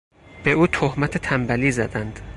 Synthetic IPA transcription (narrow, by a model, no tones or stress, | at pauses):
b̥eʔuːt̪ʰohmæt̪ʰet̪ʰæmbæliːzæd̪ænd̪̥